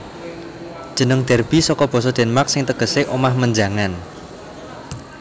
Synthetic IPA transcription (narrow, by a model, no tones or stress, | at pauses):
d̥ʒ̥ə̤nəŋd̪̥ɛ̤rb̥i̤sɔkɔb̥ɔ̤sɔd̪̥ɛ̤nmaksɪŋt̪əɡ̥ə̤seʔomahməɲd͡ʒa̤ŋan